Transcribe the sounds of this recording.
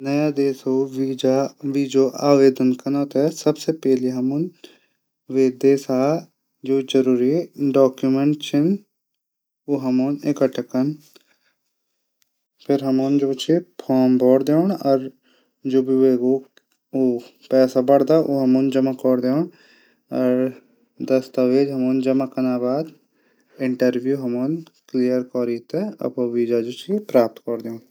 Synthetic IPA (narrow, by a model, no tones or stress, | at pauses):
nɐjad̪eːsoːʋiːd͡ʒaʋiːd͡ʒoːʔaːʋeːd̪ənkənaːt̪ɛsɐbsepɛːliɦɐmʊn | ʋeːd̪eːsaː | d͡ʒoːd͡ʒəɾuːɾieɖɔːkjumẽɳʈt͡ʃʰɪn | oːɦɐmoːnekəʈʰəkən | pʰɪɾɦɐmoːnd͡ʒoːt͡ʃʰepʰɔːɾmbʱɔːɽd̪eɳ̃ɔːɾ | d͡ʒoːbʱiʋeːɡo | oːpɛːsabɐɽd̪aʔo̰ːɦɐmoːnd͡ʒɐmakɔɾd̪eoɳ | ɔɾ | d̪ɐst̪əʋeːd͡ʒɦɐmoːnd͡ʒɐmakənaːbaːd̪ | ɪ̃ɳʈəɾʋjuːɦɐmoːnklijəɾkɔːɾit̪eɐ̰poʋiːd͡ʒaːd͡ʒut͡ʃipɾaːp̚t̪kɔɾd̪eːn